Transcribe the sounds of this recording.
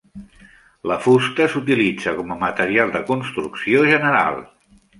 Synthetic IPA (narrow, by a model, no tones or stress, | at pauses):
ləfust̪əsut̪ilid͡zəkɔməmət̪əɾialˠd̪əkunst̪ɾuksioʒənəɾa̰lˠ